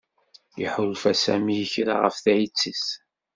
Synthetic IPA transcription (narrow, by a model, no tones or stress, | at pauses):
jə̰ħʊlfæsæmijəçɾa̰ʁəfθæjət͡sːəs